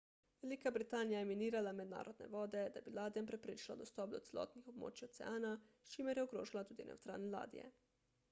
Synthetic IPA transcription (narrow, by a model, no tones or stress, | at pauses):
ʋɛlikabɾit̪aːnijajɛminiːɾalamɛd̪na̰ːɾɔd̪nɛ̰ʋɔːd̪ɛd̪abilaːd̪ijampɾɛpɾeːʃla̰d̪ɔst̪ɔːp̚d̪ɔt̪sɛlɔ̰ːt̪nixob̚mo̰ːt͡ʃiɔt̪sɛ̰aːnaʃt͡ʃimɛɾjɛoɡɾoːʒilat̪uːd̪inɛ̰wt̪ɾa̰ːlnɛla̰ːd̪ḭjɛ̰